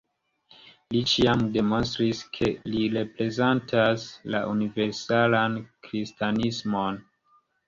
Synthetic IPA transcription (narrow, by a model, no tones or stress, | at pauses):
lit͡ʃiamde̞mo̞nstɾiskʰe̞liɾe̞pɾe̞zentʰasla̰ʔunive̞ɾsalankɾistanismo̞n